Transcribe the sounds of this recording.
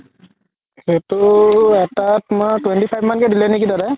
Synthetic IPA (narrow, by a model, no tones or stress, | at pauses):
zetʊɛtatmatwɛntipʰajbmankɛdilɛnekitadɛ